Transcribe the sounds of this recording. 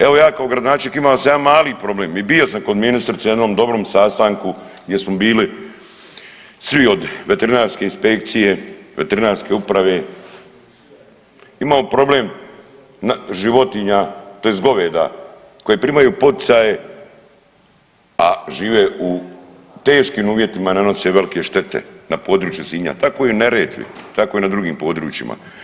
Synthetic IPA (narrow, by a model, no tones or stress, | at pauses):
eʋo̞jaːkaoɡɾad̪onaːt͡ʃeɲʲekimalosamjaːmaːlipɾo̞bleːmibiosamko̞d̪minist̪ɾit̪sejd̪no̞ːmd̪o̞bɾoːmsast̪aŋku | ɡd̪ʲje̞smobiːli | sʋio̞d̪ʋe̞t̪eɾinaːɾske̞inspe̞k̚t̪sije̞ʋe̞̰t̪eɾinaːɾske̞upɾaʋe̞ː | imalopɾo̞bleːm | nʒiʋo̞t̪iɲat̪oezɡo̞ʋeːd̪a̰ | ko̞jepɾiːmajuːpo̞t̪i̥saːje̞ | aʒiːʋe̞u | t̪e̞ːʃkiːmuːʋje̞t̪imanano̞seʋe̞like̞ʃt̪e̞t̪ḛnapo̞ːd̪ɾuːt͡ʃjusiːmɲa̰t̪ako̞iuneɾeːt̪ʋḭt̪ako̞inad̪ɾuɡiːmpo̞ːd̪ɾṵːt͡ʃḭma̰